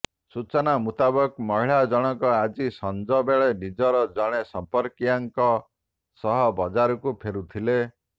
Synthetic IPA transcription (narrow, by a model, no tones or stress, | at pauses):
sut͡ʃɔnamut̪abɔkmɔɦiɭad͡ʒɔɽ̃ɔkɔad͡ʒisɔnd͡ʒɔbeɭenid͡ʒɔɾɔd͡ʒɔɽ̃esɔmpɔɾkijaŋkɔ | sɔɦɔbɔd͡ʒaɾɔkupʰeɾut̪ʰile